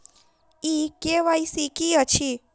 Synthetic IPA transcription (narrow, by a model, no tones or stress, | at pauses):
ikeʋaisikiət͡ʃʰi